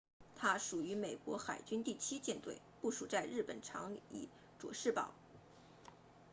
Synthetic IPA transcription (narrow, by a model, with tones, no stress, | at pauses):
t̪ʰa˥ʂu˨˩y˧˥me˨˩ɪkwɔ˧˥xa˨˩ɪt͡ɕy˥nt̪i˥˩t͡ɕʰi˥t͡ɕjɛ˥˧nt̪we˥˧ɪpu˥˩ʂu˨˩t͡sa˥˧ɪɻɻ̩˥˩pə̰˨˩nʈ͡ʂʰɑ̰˧˥ŋḭ˨˩˦ | ʈ͡ʂwɔ̰˨˩ʂɻ̩˥˩pɑ̰˨˩˦ʊ